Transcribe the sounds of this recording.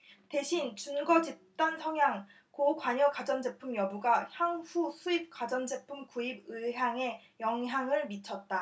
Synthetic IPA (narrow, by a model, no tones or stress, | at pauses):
te̞ɕʰint͡ɕunɡʌd͡ʑip̚t͈ansʰʌŋɦjaŋ | kokwaɲʌkad͡ʑʌnd͡ʑe̞pʰumjʌbuɡaçjaŋɸusʰuip̚k͈ad͡ʑʌnd͡ʑe̞pʰumkuibɯɦaŋe̞jʌŋɦjaŋɯɭmit͡ɕʰʌt̚t͈a